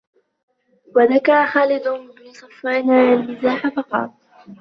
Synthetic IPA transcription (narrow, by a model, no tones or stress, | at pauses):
waðakɑɾˤɑxaːlɪd̪ʊɪbnɪsˤɑfːɑnaːʕanːɪzaːħafɑqɑ̰t̪ˤ